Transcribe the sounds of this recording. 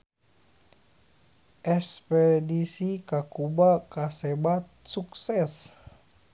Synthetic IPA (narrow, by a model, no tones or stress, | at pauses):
ʔɛspɛdisikakubakasɛbat̪̚suksɛs